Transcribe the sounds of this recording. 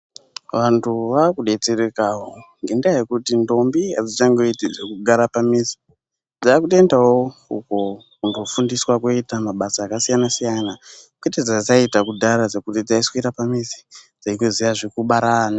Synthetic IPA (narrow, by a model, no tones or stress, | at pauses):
ʋantʰuʋakuɗe̞t͡seɾekaɦoŋɡendajekutindo̞mbiad͡zit͡ʃaŋɡo̞itid͡zekuɡʱaɾapamizi̥ | d͡zaːkute̞ndawoṵko̞kundo̞fundiswakoitamaɓasaːkasijanasijanakweted͡zat͡saitakudʱaɾad͡zekutid͡zaisi̥koitapamizi̥d͡zaikozijaʐikuɓaɾana